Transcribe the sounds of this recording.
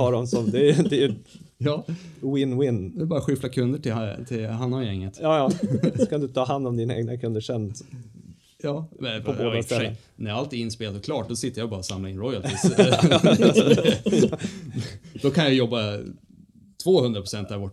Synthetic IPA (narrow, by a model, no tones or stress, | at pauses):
ɑːɖɔmsɔmd̪ɛæjd̪ɛjɵ | jɑːwɪnːwɪnːd̪ɛbɑːɾaɧɪflakʰɵnd̪əʈɪt̪ʰɪlɦanːɔmjɛŋːət̪jɑːjɑːsɔkʰand̪ɵt̪ʰɑːɦand̪ɔmd̪iːnaḛːɡnakʰɵnd̪əʂɛn | jɑːmɛɔboːd̪ast̪ɛlːə̰n | næɾjaalt̪ɪɡɪnspeːlad̪ɔkʰlɑːʈ̚d̪ɔsɪt̪ːəjabɑːɾsamlaɪnɾɔjalt̪ɪ | d̪̥ɔkʰanjajɔbːa | t̪ʰvoːhɵnd̪ɾapʰɾʊ̥sɛnt̪aɾvɔ